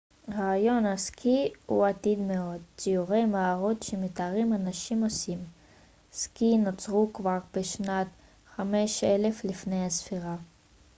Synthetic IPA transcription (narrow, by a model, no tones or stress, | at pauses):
ʁaːjo̞nhaskʰihuat̪id̪meo̞d̪̚t͡sijuʁe̞jmaaʁot̪ʃemet̪aʁimanaʃimo̞sim | skinot͡sʁukvaʁbeʃnat | χame̞ʃele̞flifne̞jhasfiʁa